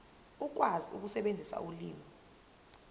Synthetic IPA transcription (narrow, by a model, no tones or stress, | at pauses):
uk̬ʼwaziṵk̬usɛɓend͡zʱisa̰uliːmi